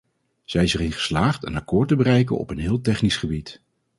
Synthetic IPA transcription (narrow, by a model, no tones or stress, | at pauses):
z̥ɛjzərɪnχə̥slaːχtə̰nakʊːɹtəbərɛjk̬ə̰nɔ̰pənɦɪːlˠtɛχnisχəbit